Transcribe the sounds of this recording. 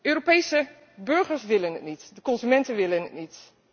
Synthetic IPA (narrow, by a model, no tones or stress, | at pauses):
øːropejsə | bɵɹχəɹsʋɪlənɦətnitdəkɔnzymɛntənʋɪlənɦə̰tnit